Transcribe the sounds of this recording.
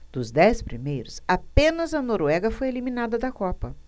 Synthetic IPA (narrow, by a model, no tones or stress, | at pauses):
d̪̥ʊzd̪ɛspɾimejɾʊsapẽnɐzɐnoɾɛɡɐfojelimĩnad̪ɐd̪ɐkɔpɐ